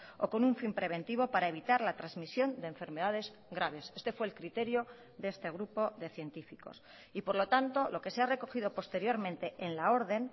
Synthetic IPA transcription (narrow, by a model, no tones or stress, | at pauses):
o̞̰ko̞nuɱfimpɾe̞β̞e̞nt̪iβ̞o̞paɾae̞β̞it̪aɾlat̪ɾazmisjo̞nd̪eːɱfe̞ɾme̞ðað̞e̞z | ɣɾaβ̞e̞se̞st̪e̞fwe̞ːlkɾit̪e̞ɾjo̞ | ðee̞st̪e̞ɣ̞ɾupo̞ðe̞θje̞nt̪ifiko̞̰s | ipo̞ɾlo̞t̪ant̪o̞lo̞ke̞seare̞ko̞xiðo̞po̞st̪e̞ɾjo̞ɾmẽnt̪e̞ʔenlao̞ɾðe̞n